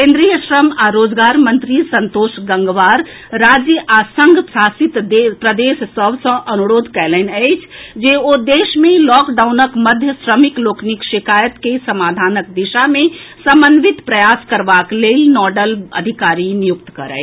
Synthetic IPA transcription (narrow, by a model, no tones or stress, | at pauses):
kẽnd̪ɾijəʃɾəmaɾoːd͡ʒɡaːɾmə̃nt̪ɾisə̃nt̪oːʃɡə̃ŋɡʋaːɾ | ɾaːd͡ʒjəʔaːsə̃ŋɡsaːsit̪d̪epɾəd̪eːʃsəbʱsə̃ʔɐnuɾoːd̪ʱkɛlɛnɛɪt͡ʃʰd͡ʒeod̪eːʃmẽlɔːkɖaːʊnəkməd̪ʱjəsɾəmikloːknikʃikaːjət̪kesəmaːd̪ʱaːnək̚d̪iʃamẽsəmbənʋit̪pɾəjaːskəɾbakleːlnɔːɖələ̰d̪ʱikaːɾinijukt̪kɐɾə̰ː